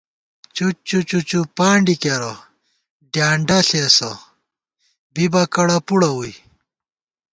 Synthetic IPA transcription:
t͡ɕut͡ɕut͡ɕut͡ɕupaːɳɖikɐɾɐ | ɖjaːɳɖɐɬeːsɐ | bibɐkɐɽɐpuɽɐuj

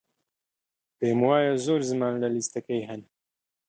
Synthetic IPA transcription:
peːmwaːjazoːɾzɨmaːnlɐlist̪ɐkejɦɛn

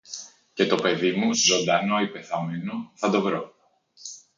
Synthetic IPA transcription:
ce̞t̪o̞pe̞ðimuzo̞nd̪ɐnoipe̞θɐmenoθɐnd̪o̞vɾo

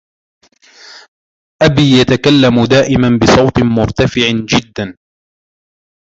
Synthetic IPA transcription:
ʔabiːjat̪akalːamʊd̪aːʔɪmanbɪsˤɑwt̪ɨmʊɾt̪afɪʕd͡ʒɪd̪ːan

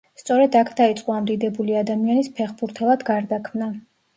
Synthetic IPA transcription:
st̪sʼɔɾɛd̪akʰd̪ait̪sʼqʼɔamd̪id̪ɛbuliad̪amianispʰɛχbuɾt̪ʰɛlˠad̪ɡaɾd̪akʰmna

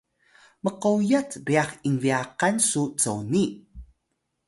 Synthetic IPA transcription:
məqowjat͡sɾiaχiŋviaqansut͡səwni

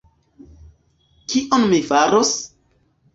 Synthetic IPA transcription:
kiʔonmifaɾos

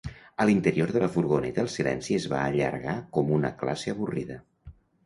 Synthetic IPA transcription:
əlint̪əɾioɾðələfuɾɣunɛt̪əːlˠsilɛ̰nsiəzβa̰əʎə̰ɾɣakɔmunə̰kla̰seəβuriðə

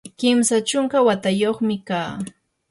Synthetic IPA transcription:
kɪmsat͡ʃʊŋkawat̪ajoχmɪkaː

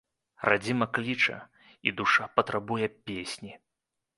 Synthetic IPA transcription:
rad͡zʲimɐklʲit͡ʂɐ̰ | ḭd̪uʂapɐt̪ɾabujɛpʲesʲnʲi

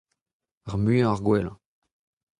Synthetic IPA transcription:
aʁmyə̃aʁɡwɛlɑ̰̃

